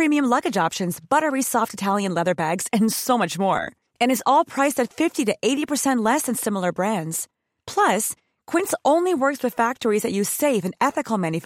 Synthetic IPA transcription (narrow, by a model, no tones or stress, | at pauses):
pʰɹ̥ĩmiɨ̃mlʌɡɨd͡ʒɑpʃɨ̃nzbʌɾə˞isɔftɨtʰælˠjɨ̃nlɛðə˞bæɡz̥ɨ̃nsoʊmʌt͡ʃmɔ̰ɹ | ɨ̃nɨzɔlˠpʰɹ̥aɪstɨtfɪftiɾɨʔeɪɾipə˞sɛ̃nʔlɛsɨ̃nsɪ̃ml̩ˠə˞bɹæ̃ndz̥ | pʰl̥ʌs | kʰw̥ɪ̃ntsõʊ̃nliwɜ˞kswɨð̥fæk̚tə˞izðɨt͡ʃɨ̥seɪvɨ̃nɛθɨkl̩ˠmæ̃njɨ